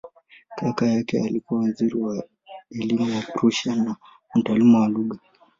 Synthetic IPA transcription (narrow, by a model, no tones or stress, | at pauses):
kʰakajakɛalikuwawaziɾiwa | ɛlimujapɾuʃana | m̩talimuwaluɠa